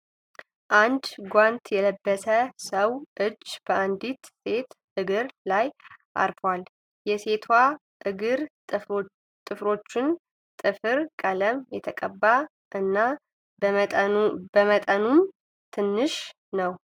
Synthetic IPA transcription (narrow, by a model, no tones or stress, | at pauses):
ʔand̪ɡʷant̪jɛləbːəsəsəwʔɨd͡ʒːb̥əʔand̪it̪se̞t̪ʔɨɡɨɾlajʔa̰ɾfwal | jɛse̞t̪ʰwa | ʔɨɡɨɾ | t̪ʼɨfɾo̞t͡ʃːɪn | t̪ʼɨfɨɾkʼələmjɛt̪ʰəkʼəbːa | ʔɨnːa | bəmət̪ʼənum | t̪ʰɨnːɨʃ | nəw